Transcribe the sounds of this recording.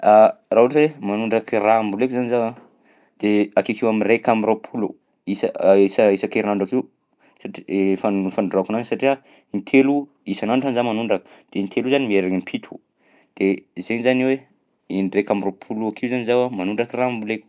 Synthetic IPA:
arauʈ͡ʂwemanuɳɖ͡ʐakirambulekuzanizawa | d̪̥eakikewamirekamiropʰulṵ | isəisəisakeɾinaɳɖ͡ʐakiw | saʈ͡ʂi̥fafaɳɖ͡ʐakunaŋisaʈ͡ʂia | int̪ʰelu | isanaɳʈ͡ʂanzamanuɳɖ͡ʐakə̥d̪̥eint̪ʰeluzanimieɾaŋimpʰit̪ʰu | d̪̥ezenizaniwe | inrekamiropʰuluakʰiuzanizawamanuɳɖ͡ʐakirambuleku̥

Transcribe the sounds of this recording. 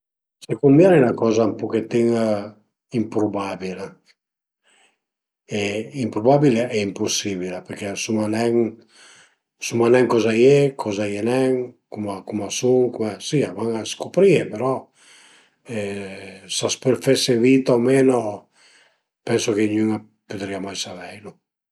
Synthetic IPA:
sekumbjɛnenakɔzampuket̪ːiŋ | impɾubabila | eimpɾubabileɛimpusiβilapeɾkɛsumanɛŋ | sumanɛŋkɔzajekʰɔzajenɛŋkumakumasuŋkumesiavaŋaskopɾiepeɾɔ | ɛsaspeɾfesevit̪aomeno | pɛnsokeɲyŋa | pud̪ɾiamajsavɛjlu

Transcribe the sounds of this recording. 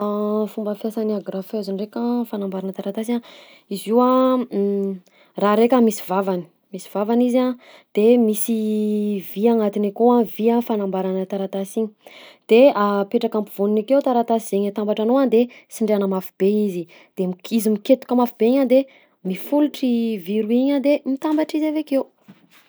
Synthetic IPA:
afumbəfjasaniaɡrafeziɳrekʲafanambaɾanət̪aɾat̪asa | iziwa | raɾekamisivavani̥ | misi̥vavanizad̪̥emisiviaŋat̪inikoãviafanambaɾanət̪aɾat̪asiɲi̥d̪̥eapeʈ͡ʂakampuvuninakewt̪aɾat̪asiz̥eɲat̪ambaʈ͡ʂanoand̪esiɳɖ͡ʐeanəmafub̥eizi | d̪̥emiizimiket̪u̥kəmafibeiɲad̪e | mifuluʈ͡ʂiviɾuiɲad̪emit̪ambaʈ͡ʂizavekew

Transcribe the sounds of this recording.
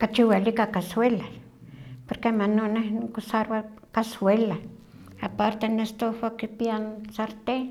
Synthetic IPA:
kat͡ʃiwalikakaswela | poɾkemanonehnkosaɾwa | kaswela | apaɾt̪enest̪owakipiansaɾt̪e

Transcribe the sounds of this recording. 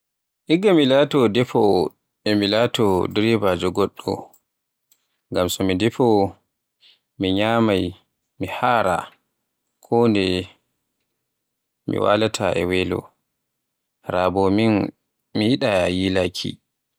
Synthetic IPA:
ʔiɡːamilatɔdɛfɔ | ɛmilaːtɔdɾɛvad͡ʒɔɡɔɗːɔ̰ | ŋɡamsɔmidɛfɔ | miɲaːmaj | mihaːɾa̰ | kʰɔndɛ | mḭwa̰latʰaɛ̰wɛlɔ̰ | ɾaːbɔmin | mijiɗajilakʰḭ

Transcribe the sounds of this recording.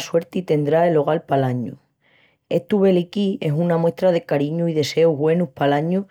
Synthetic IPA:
swe̞ɾt̪it̪e̞nd̪ɾaelo̞ɣ̞alpalaɲṵ | e̞ht̪uβe̞likie̞sunamwe̞ht̪ɾað̞e̞kaɾiɲuiðe̞se̞uɦɣwe̞nupalaɲu

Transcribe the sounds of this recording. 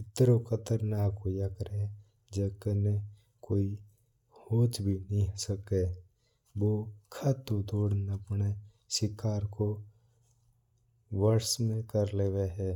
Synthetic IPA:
ɪt̪ɾokʰət̪əɾnaːkojakəɾe | d͡ʒəkəne | koːi | hoːt͡ʃbʱinĩsəke | ʋokʰaːt̪od̪oːɽnəpne | ʃɪkaːɾko | ʋəɾsmẽkəɾleːʋeɦɛː

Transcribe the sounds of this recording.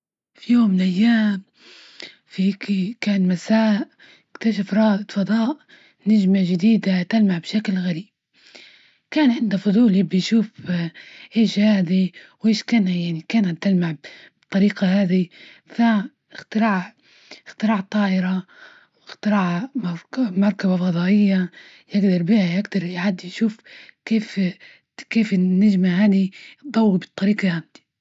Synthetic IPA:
fijoːmːɪlʔajːaːm | fikikaːnmasaːʔ | ɪkt̪aʃ̬afɾˤɑːʔd̪fɑd̪ˤɑːʔ | naʒmaʒɪd̪iːd̪at̪almaʕbʃaklɣaɾiːb̚ | kaːnʕɪnd̪afʊd̪ˤuːlibɪjʃuːf | ʔeːʃhaːd̪iwʔeːʃkaːnajaʕnikaːnat̪ːalmaʕbt̪ˤːɑɾiːqɑhaːd̪ifa | ɪxt̪ɪɾɑːʕ | ɪxt̪ɪɾɑːʕt̪ˤɑːʔɪɾɑ | wɪxt̪ɪɾɑːʕmˤmɑɾˤkabafɑd̪ˤɑːʔɪjːa | jɪɡd̪ɑɾˤbiːhajɪɡd̪ɑɾˤjʕad̪jʃuːfkeːf | keːfɪnːaʒmaɦaːd̪id̪ˤɑwːibɨt̪ˤːɑɾiːqɑhand̪i̥

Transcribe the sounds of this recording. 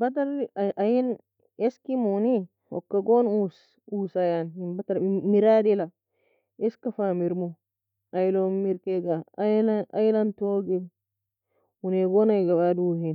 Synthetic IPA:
bat̬aɾʔajin | eskimuni | ɔ̰kːaɡonus | usajanhimbataɾmiɾadila | eskafamiɾmu | ajlomiɾkeɡalaa̰jlantoɡe | uneɡonajɡabaduhin

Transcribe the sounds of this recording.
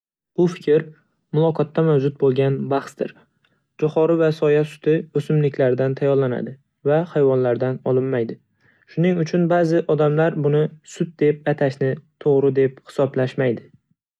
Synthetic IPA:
ʊfɪ̥kʲɪɾ | mʊlˠɒqʰɒt̪ːamawd͡ʒʊt̪̚bolˠɡʲanbaχsd̪ɪ̰ɾ | d͡ʒɒχɒɾɪvasɒjasʊ̥t̪ʰɪɵsɪmlɪkʲʰlaɾɪd̪ant̪ʰajɒɾlana̰d̪ɪ | vahajvɒnlaɾd̪anɒlˠɪmːajd̪ɪ | ʃʊnɪŋʊt͡ʃʰʊnbazɪʔɒd̪amlaɾbʊnɪsʊt̪̚d̪e̞p̚at̪ʰaʃnɪt̪ʰoʁɾɪd̪e̞p̚hɪ̥sɒblaʃmajd̪ɪ

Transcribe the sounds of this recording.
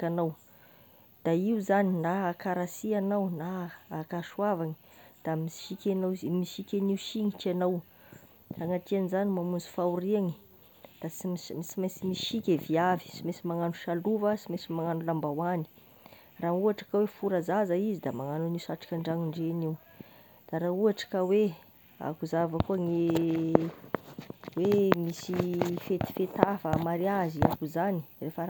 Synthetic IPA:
kanaw | d̪̥aiuzaninaːkaɾasianawnaːkaʃuavaŋi̥ | d̪̥amiʃikʲanazmiʃikʲeniuʃiŋiʈ͡ʂianaw | raŋatianizanimamund͡zu̥fauɾiaŋi | d̪̥asmimisimajsimiʃikʲeviavi̥simesimaŋanuʃaluvəsimesimaŋanulambawani̥ | rauaʈ͡ʂḁkawefuɾazazaizid̪amaŋananiusaʈ͡ʂḁkʲaɳɖ͡ʐaŋiɳɖ͡ʐeniw | d̪̥aɾauaʈ͡ʂḁkawe | a̰kuzavəkuəŋe | wemisifet̪i̥fet̪afəmaɾiaziakuzani̥refə

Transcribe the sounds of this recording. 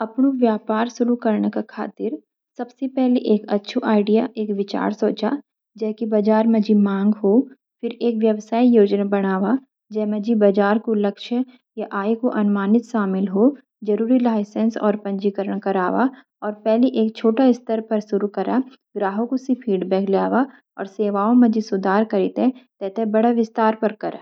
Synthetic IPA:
ɐpnoʋjaːpaːɾsʊɾukɐɾɳkakʰa̰ːt̪ɪɾ | sɐbsepɛɦleʔeːkɐtːʃʰiʔaːɪɖijaʔeːkʋɪt͡ʃa̰ːɾsoːt͡ʃa̰ | d͡ʒɛːkibɐd͡ʒaːɾmẽd͡ʒimãːŋɡɦoː | pɪɾeːkʋjɐʋsaːijoːd͡ʒnabɐɽ̃aːʋa | d͡ʒɛːmẽd͡ʒibad͡ʒaːɾkolɐkʃə | jaʔaːikoʔɐnʊmaːnɪt̪ʃaːmɪlɦoː | d͡ʒɐɾuːɾilaːɪsɛ̃nsɔ̰ːɾpɐ̃ɲd͡ʒikəɾəɽ̃kɐɾaːʋa̰ | ɔːɾpɛɦliʔeːk̚t͡ʃʰoːʈaɪst̪əɾpɐɾsʊɾukɐɾa | ɡɾaːɦõkosipʰiːɖbɛːɡljaːʋa | ɔ̰ːɾseːʋaːõmẽd͡ʒisʊd̪ʱaːɾkɐɾɪt̪ẽt̪ɛːt̪ebɐɽaʋɪst̪aːɾpɐɾkɐɾa̰ː

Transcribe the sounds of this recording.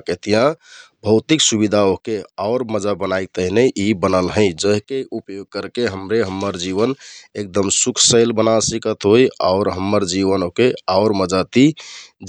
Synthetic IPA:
ket̪ijãbʱəʊt̪iksubid̪ʱaokeaʊɾməd͡ʒabənajk̚t̪əɦneʔibənəlɦəɪ̃d͡ʒəɦkeupjoɡ̚kəɾkeɦəmɾeɦəmːəɾd͡ʒiβənek̚d̪əmsukʰsəɪlbənasikət̪ɦoja̰ʊɾɦəmːəɾd͡ʒiʋənokeaʊɾməd͡ʒat̪i

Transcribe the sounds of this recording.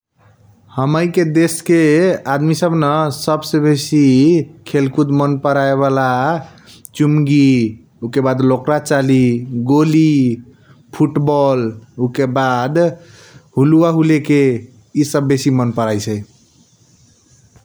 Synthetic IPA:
həməjked̪eskead̪misəbʱnəsəbsebesikʰelkut̪mənpəɾaeβala | t͡ʃumɡi | ukebad̪lokɾat͡ʃaliɡoli | pʰuʈbɔlukebad̪ | ɦuluaɦuleke | isəbːesimənpəɾajt͡ʃʰɛj

